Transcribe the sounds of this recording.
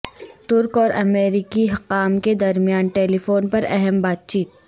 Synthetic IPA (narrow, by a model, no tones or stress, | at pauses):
t̪ʊɾkɔːɾʔɐmeːɾikiɦɐqaːmked̪ɐɾmijaːnʈeːlifoːnpɐɾɛ̰ɦɛmbaːt̪̚t͡ʃiːt̪̚